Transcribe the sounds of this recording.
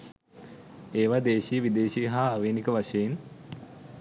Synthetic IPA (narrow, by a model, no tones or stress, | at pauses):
eːʋad̪eːʃiʋid̪eːʃiɦaːʋenikəʋaʃejin